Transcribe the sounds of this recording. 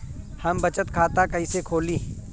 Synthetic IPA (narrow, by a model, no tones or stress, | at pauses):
hɐmbɐt͡ʃət̪kʰaːt̪akɐisekʰoːliː